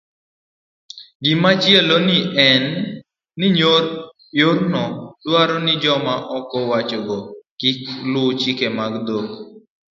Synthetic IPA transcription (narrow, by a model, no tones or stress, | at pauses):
ɡɪmat͡ʃjelonɪʔɛnː | ɪɲoɾ | joɾnɔdwaɾɔnɪd͡ʒɔmaʔɔkɔwat͡ʃɔɡɔkiklʊt͡ʃikemaɡd̪ok